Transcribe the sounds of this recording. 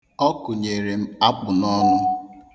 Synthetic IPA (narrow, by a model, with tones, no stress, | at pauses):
ɔ˦kʊ˨ɲe˨ɾe˨m̩˦a˦k͡pʊ˨nɔ˦nʊ˦